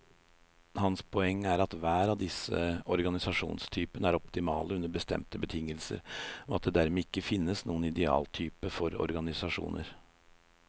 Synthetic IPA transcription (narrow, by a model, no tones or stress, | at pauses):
hɑnspʰɔɛŋːæɾɑt̪ʋæːɾɑʋd̪ɪsə̰ɔɾɡɑnɪsɑʂṵːnst̪ʰyːpənəæɾɔpt̪ɪmɑːləʉnəɾbəst̪ɛ̰mt̪əbət̪ʰɪŋːəlsə̰ɾɔɑt̪̚d̪ɛd̪æɾmɛɪkːəfɪnːəsnuːənɪd̪ɛɑ̰ːlt̪ʰyːpəfɔɾɔ̰ɾɡɑnɪsɑʂṵːnʔə̰ɾ